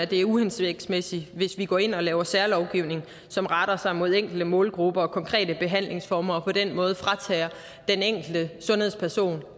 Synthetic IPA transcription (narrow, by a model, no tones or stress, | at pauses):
æd̥e̝æɐuhensʋeɡ̥smesiʋe̝sʋiɡ̥ɒ̰ːe̝n̰ɒ̽lɛːʊɐsæɐlɒʊɡ̥iʊne̝ŋ̩ | sɒ̽mʁɑɾ̥ɐsɑ̈ɪmo̝ð̞ˠeŋ̰ɡ̥l̩d̥əmɔ̰̽ːlɡ̥ʁub̥ɐɒ̽kʰɒ̽ŋkʰʁɛ̰ːd̥əb̥e̝ɦæn̰le̝ŋsfɒːmɐɒ̽pʰɒ̽d̥enmɔ̽ːð̞̩ˠfʁɑ̈t͡sʰɛːɐ | d̥eneŋ̰ɡ̥l̩d̥əsɔ̽nhe̝ðˠspʰæɐso̝̰ːn